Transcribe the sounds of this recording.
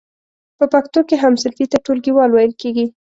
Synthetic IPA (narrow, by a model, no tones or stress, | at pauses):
pəpakt̪okeɦamsɪlfit̪aʈolɡiwɑlwɑjəlkeɡi